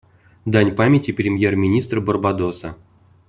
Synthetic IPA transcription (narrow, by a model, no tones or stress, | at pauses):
d̪anʲpamʲetʲiprʲɪmʲjermʲinʲist̪rborbad̪osə̰